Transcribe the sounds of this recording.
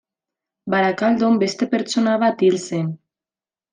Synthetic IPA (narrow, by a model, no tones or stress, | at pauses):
baɾakald̪ombest̪epeɾt͡sonaβat̪ilsen